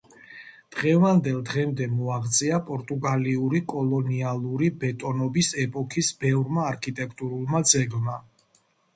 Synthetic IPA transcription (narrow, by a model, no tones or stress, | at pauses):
d̪̥ʁɛvand̪ɛlˠd̪ʁɛmd̪ɛmɔaʁt̪sʼiapʼɔɾt̪ʼuɡaliuɾikʼɔlˠɔnialˠuɾibɛt̪ʼɔnɔbisɛpʼɔkʰisbɛvɾmaːɾkʰit̪ʼɛkʰt̪ʼuɾulˠmad̪zɛɡma